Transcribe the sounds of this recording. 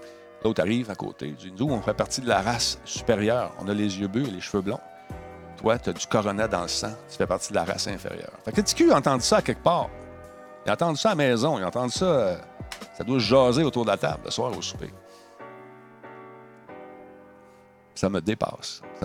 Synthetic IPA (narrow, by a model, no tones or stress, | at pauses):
lʔot̪aʁiːvako̰ːt̪ḛd͡z̪ynzuɔ̃fɛpaʁt͡sid̪əlaʁasːy̥peʁjœːʁɔ̰̃ːnʌlezjøbløeleʃføblɔ̰̃ | t̪wat̪ɔdd͡zy̥kɔʁɔnɛd̪ɑ̃ləsãt̪y̥fɛpaʁt͡sid̪əla̰ʁa̰sɛ̃fḛʁjœ̰ːʁfɛksɛt͡si̥kʲyɑ̃t̪ɑ̃d̪ysɔakʲɛk̚pɑːʁ | iɑ̃t̪ɑ̃d̪ysɔamɛzɔ̃iɑ̃t̪ɑ̃d̪ysʌəsad̪waʒɑːzeot̪uːʁd̪əlat̪a̰blə̰swaːʁo̰su̥pḛ | saməd̪epa̰ːss